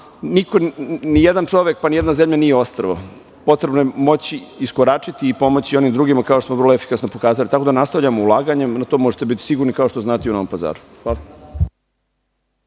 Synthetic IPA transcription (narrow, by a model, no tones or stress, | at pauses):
niko̞nijed̪ant͡ʂo̞ʋjek̚panije̞d̪nazemʎanijeo̞st̪ɾəʋo | po̞t̪ɾe̞bnojemo̞t͡ɕiːskoɾat͡ʂit̪iːpo̞mot͡ɕio̞nimd̪ɾuːɡimakaoʃt̪osmvərɾloefi̥kasnopo̞kaːzalit̪akod̪anast̪aʋʎamoulˠaːɡaɲe̞mnat̪omo̞ʒet̪e̞bit̪i̥siɡuɾnikao̞ʃt̪oznaːt̪iuno̞ʋompaza̰ːɾu̥xʋaːla